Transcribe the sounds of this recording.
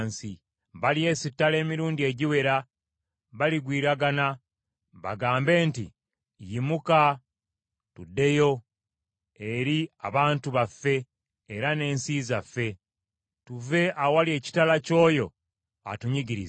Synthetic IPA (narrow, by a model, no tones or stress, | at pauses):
nsi | βalie̞ːsitːale̞ːmiɾuːndie̞ɟiwe̞ɾa | βaliɡwiːɾaɡana | βa̰ɡaːmbe̞ːntḭ | jimuka | tudːe̞jo̞ | e̞ɾia̰βaːntuβafːe̞ː | ɾane̞ːnsiːzafːe̞ | tuve̞ʔawalie̞ːci̥talaco̞ːjo̞ | a̰tuɲiɟiɾiz